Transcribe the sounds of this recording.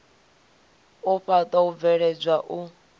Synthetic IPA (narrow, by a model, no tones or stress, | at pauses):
ʊɸatʼauvɛɺɛd͡ʒʷaʔʊ